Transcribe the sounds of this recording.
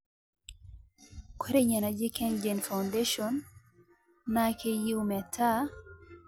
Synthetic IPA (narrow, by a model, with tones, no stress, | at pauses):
kwɛ˦ɾɛ˦ɲa˨na˨d͡ʒɛ˦kɛnd͡ʒɛnfa˨wndeʃɔn | akʰeji˦um˨a˨tʰa˦